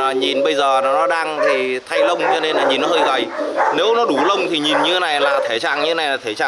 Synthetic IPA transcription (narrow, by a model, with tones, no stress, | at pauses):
a˨˩ɲi˨˩nɓə˧jzəː˨˩nɔ˨˦nɔ˨˦ɗaː˧ŋt̪ʰi˨˩t̪ʰa˧jlə˧wŋ͡mt͡ɕɔ˧ne˧nlaː˨˩ɲi˨˩nːɔ˨˦ɦəː˧jɣə̰˨˩jne˨˦wnɔ˨˦ɗu˧˩lə˧wŋ͡mt̪ʰi˨˩ɲi˨˩nɲɨ˧e˦˥na˨˩jlaː˨˩t̪ʰe˧˩t͡ɕa̰ː˧˨ŋɲɨ˧e˦na˨˩jlaː˨˩e˧˩t͡ɕa̰ː˧˨